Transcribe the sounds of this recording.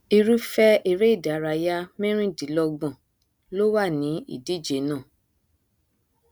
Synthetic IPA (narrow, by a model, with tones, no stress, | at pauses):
i˧ɾu˦fɛ˦i˧ɾe˦i˦˨da˨˦ɾa˧ja˦mɛ̃˦ɾ̃ĩ˦˨di˨˦lɔ˧ɡ͡bɔ̃˨ | lo˦wa˦˨nĩ˨˦ḭ˦˨di˨˦˨d͡ʒe˨˦nãː˦˨